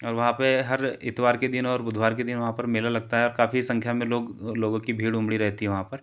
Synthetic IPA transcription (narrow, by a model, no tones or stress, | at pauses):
ɔːɾʋɐɦãpeɦɐɾɪt̪ʋaːɾked̪ɪnɔːɾbʊd̪ʱwaːɾked̪ɪnʋɐɦãpɐɾmɪːlalɐɡt̪aɦɛɔːɾkaːfisɐ̃ŋkʰjamẽloːɡloːɡõkibʱiːɽʊ̃mɽiɾɛɦt̪iɦɛʋɐɦãpɐɾ